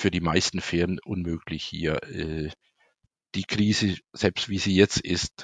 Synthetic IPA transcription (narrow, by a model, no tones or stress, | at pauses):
fyːɐdiːmaɪstn̩fɪːʁənʔʊnmøːklɪçhḭːɐʔɛː | d̥iːkʁ̥iːzəz̥ɛlpstv̥iːziːjɛt͡stʔɪst